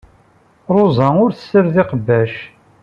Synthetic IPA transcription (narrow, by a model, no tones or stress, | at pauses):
ɾˤozˤænʊɾθə̥sːəɾðɪqəbːæʃ